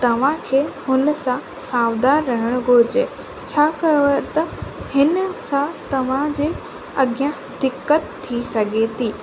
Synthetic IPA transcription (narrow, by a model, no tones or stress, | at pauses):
t̪ɐʋ̤ãkʰeːhʊnəsã | saːʋd̪aːɾːɐɦɪɽ̃ɡʱoːd͡ʑe | t͡ɕʰaːkɐjət̪ɐhɪnəsãt̪ɐʋ̤ãd͡ʑeː | ɐɡɪjã | d̪ɪkːət̪ʰːisɐɡʱet̪ʰiː